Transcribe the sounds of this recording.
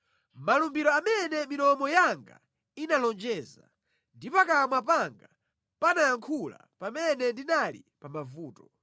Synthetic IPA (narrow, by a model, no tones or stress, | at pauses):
malumbiɾɔamɛnɛminɔmɔjaŋɡa̰ | inalɔnd͡ʒɛːza | ndipakamwapaŋɡa | panaːŋkʰula̰ | pamɛnɛndinalḭpamavuːtɔ̥